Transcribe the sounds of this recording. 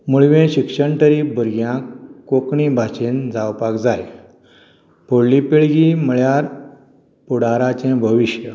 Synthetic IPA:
muɭʋẽɕikʂəɳt̪əɾiːbʱəɾɡjãkokɳĩbʱat͡ɕend͡zawpakd͡zaj | polipeɭɡiməɭjaɾ | puɽaɾat͡ɕɛ̃bʱəʋiɕjə

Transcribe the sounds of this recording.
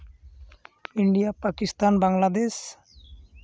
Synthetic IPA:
iɳɖijapakist̪anbaŋlad̪es

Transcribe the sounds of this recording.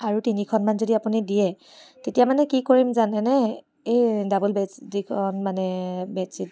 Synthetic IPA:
aɹutinikʰɔnmanzodiapunidijɛ | tetijamanɛkikoɹimzanɛnɛ | edabulbɛdikʰɔnmanɛbɛsit̚

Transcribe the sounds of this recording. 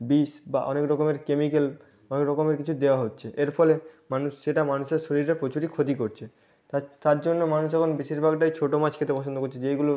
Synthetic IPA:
biʃbaʔɔ̰nekɾɔkomeɾkemikel | ɔnekɾɔkomeɾkit͡ɕʰud̪eoaɦotːɕʰeʔeɾfɔlemanuʃʃeʈamanuʃeɾʃoɾiɾaɾpɾot͡ɕuʈikʰot̪̬ikoɾt͡ɕʰe | at̪aɾd͡ʑonːomanuʃ̬ɛkʰonbiʃiɾbʱaɡʈajt͡ɕʰoʈomat͡ɕkʰet̪epɔt͡ɕʰond̪okoɾt͡ɕʰed͡ʑejɡulo

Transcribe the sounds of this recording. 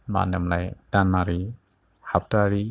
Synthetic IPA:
ma̰nɛmlajd̥anaɾi | hap̚taɾi

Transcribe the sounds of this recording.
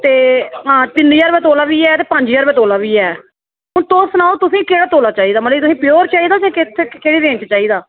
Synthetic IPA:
t̪eːɦãːt̪ɪniːaɾbɛːt̪oːlaːʋiːɛːt̪eːpəɲd͡ʒiːəːɾbɛːt̪oːlaːʋiːɛː | ɦʊnt̪oːsnaːoːt̪ʊsĩːkeːɽaːt̪oːlaːt͡ʃaːiːd̪aːməliːt̪ʊsĩːpɪjoːɾt͡ʃaːiːd̪aːsɛ̃ːkɪt̪ʰːeːkeːɽiːɾẽːnt͡ʃt͡ʃaːiːd̪aː

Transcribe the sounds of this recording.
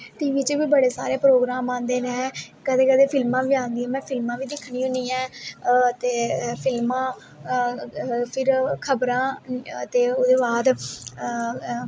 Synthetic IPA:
t̪iːʋit͡ʃʋiːbəɽeːsa̰ːɾeːpɾoːɡɾaːmãːnd̪eːnẽːkəd̪eːkəd̪eːpʰɪlmãːʋiːãːnd̪iːãːmɛ̃ːpʰɪlmãːʋiːd̪ɪkʰːɳ̃iːɦʊ̃niːãːt̪eːpʰɪlmãː | pʰɪɾkʰəbɾãːt̪eːod̪eːbaːd̪

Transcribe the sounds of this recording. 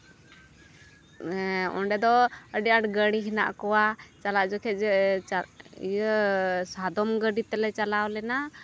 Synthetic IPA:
ɔ̰ɳɖɛd̪ɔəɖjaʈɡəɽiɦina̰ʔkɔwat͡ʃalaʔd͡ʒɔkʰɛt̪̚d͡ʒ | jəsad̪ɔmɡəɖit̪ɛlɛt͡ʃalawlɛna

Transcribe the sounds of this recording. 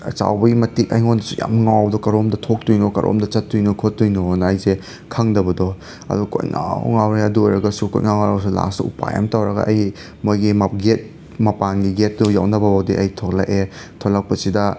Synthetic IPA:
ɐ̰t͡ʃa̰wbɐɡimɐtikɐjŋondɐsuja̰mŋawbdɔkɐɾomdɐtʰok̚tujnokɐ̰ɾʔo̰mdɐt͡ʃɐtːujnokʰotːujnonɐːjze | kʰɐŋdɐbɐdɔ | ɐ̰dukʰo̰jŋʔa̰ŋawɾeɐduojɾɐɡɐsuko̰jŋawŋaɾɐɡɐs̬ula̰suṵpa̰ja̰mtawɾɐɡɐ̰ʔɐj | mojɡimaɡet̚ | mɐpanɡiɡet̚ːujawnɐbɐbawdiʔɐjtʰok̚la̰ʔe | tʰolɐk̚pɐsidɐ

